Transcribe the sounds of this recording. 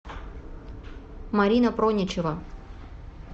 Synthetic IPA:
maɾʲinɐpɾonʲɪt͡ɕɪvɐ

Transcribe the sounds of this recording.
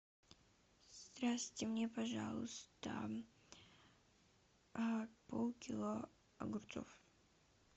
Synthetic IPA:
st̪ɾasʲtʲɪmnʲepɐʐa̰lˠʊ̰st̪ə̰ | polˠkʲɪlˠo | ɐ̰ɡʊrt̪so̰f

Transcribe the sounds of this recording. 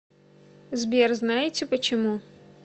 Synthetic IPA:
zbʲɛrznajɪt͡sʲɪpɐt͡ɕɪmu

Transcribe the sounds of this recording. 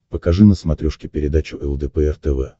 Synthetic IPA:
pəkɐʐɨnəsmɐt̪ɾʲuʂkʲɪpʲɪɾʲɪd̪at͡ɕʊʔɛlˠd̪ɛpɛɛrt̪ɛvɛ

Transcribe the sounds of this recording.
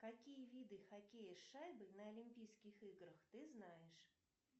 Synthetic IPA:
kɐkʲijəvʲid̪ɨxɐkʲejɪʂːajbɨnəɐlʲimʲpʲijskʲɪxɨɡɾəxt̪ɨznajɪʂ

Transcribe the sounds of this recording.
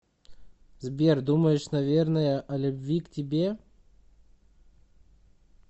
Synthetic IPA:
zbʲerd̪uməjɪʂnɐvʲe̞rnəjəʔɐlʲʊbvʲiktʲɪbʲe

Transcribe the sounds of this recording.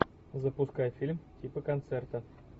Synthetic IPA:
zəpʊskajfʲilʲmtʲipəkɐnt̪sɛrt̪ə

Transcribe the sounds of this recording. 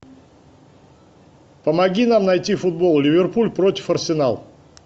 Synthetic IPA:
pəmɐɡʲinamnɐjtʲifʊd̪̚bo̞lˠlʲɪvʲɪrpulʲpɾo̞tʲɪ̥fɐrsʲɪnalˠ

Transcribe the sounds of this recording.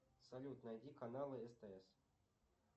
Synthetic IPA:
sɐlʲut̪nɐjd̪ʲikanalˠɨɛst̪ɛɛs

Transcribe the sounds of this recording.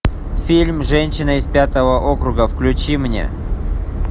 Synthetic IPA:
fʲilʲmʐɛnʲɕɪnəɪspʲat̪əvəʔokɾʊɡəfklʲʉt͡ɕimnʲḛ

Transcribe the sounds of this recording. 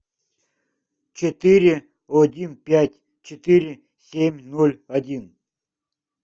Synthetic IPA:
t͡ɕɪt̪ɪɾʲɪ | ɔdʲinpʲætʲ | t͡ɕɪt̪ɪɾʲɪ | sʲemʲnolʲɐdʲin

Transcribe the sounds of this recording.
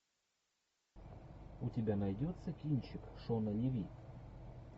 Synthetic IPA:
ʊtʲɪbʲanɐjdʲot̪səkʲinʲt͡ɕɪkʂonəlʲɪvʲit̪

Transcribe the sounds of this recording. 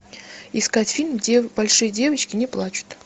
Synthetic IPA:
ɪskatʲfʲinbɐlʲʂɨjədʲe̞vət͡ɕkʲɪnʲɪplˠat͡ɕʊ̥t̪

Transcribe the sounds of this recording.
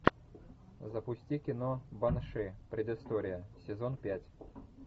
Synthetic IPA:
zəpʊsʲtʲikʲɪnobɐnʂɨpɾʲɪd̪ɪst̪oɾʲɪjəsʲɪzonpʲætʲ

